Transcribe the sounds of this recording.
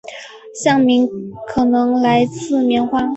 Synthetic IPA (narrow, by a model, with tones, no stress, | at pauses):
ɕjɑ˥˩ŋmi˧˥ŋkʰɤ˨˩nɤ˧˥ŋla˧˥ɪt͡sʰɹ̩˥˧mjɛ˧˥nxwa˥˩